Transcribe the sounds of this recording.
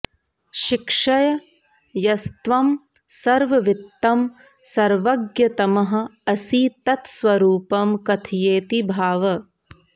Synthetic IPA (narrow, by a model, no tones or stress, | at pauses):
ʃikʂɐjɐ | jɐst̪ʋɐm | sɐɾʋɐʋit̪ːɐm | sɐɾʋɐɡjɐt̪ɐmɐɦɐ̆ɐsiːt̪ɐt̪sʋɐɾuːpɐmkɐt̪ʰijeːt̪ibʱaːʋɐ